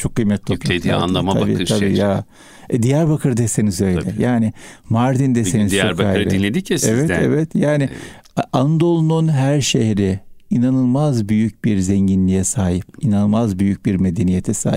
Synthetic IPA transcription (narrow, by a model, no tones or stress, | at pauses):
t͡ʃʰo̞kʰːɯjmɛt̪ʰlʰoplaa̰nˠaaa̰bḭːabiːja | ɛd̪ijæɾbakʰɯɾd̪ese̞nizø̞jlʲɛ̰jaːnɪmaɾd̪ind̪eenizɾkaaɾɾinlʲed̪iiɛvɛt̪ɛ̰vɛt̪jaːnɪ | and̪o̞lˠnunɦæɾʃehɾɪinanɯlˠmazbyjyc̚biɾzɛɲɟinlʲijɛsaːɦipinanɯlˠmazbyjyc̚biɾme̞d̪enijet̪ʰɛsa̰ːi